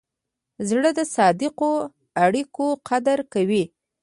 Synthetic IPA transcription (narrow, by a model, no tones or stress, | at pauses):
zɽəd̪əsɑd̪ɪqo | aɽikoqad̪aɾkawi